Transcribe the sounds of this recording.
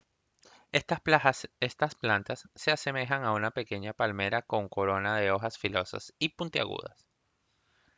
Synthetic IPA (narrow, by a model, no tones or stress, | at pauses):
est̪asplant̪asːe̞ase̞me̞xaŋaunape̞ke̞ɲapalme̞ɾako̞ŋko̞ɾo̞naðe̞o̞xasfilo̞sa̰sipunt̪ia̰ɣṵð̞a̰s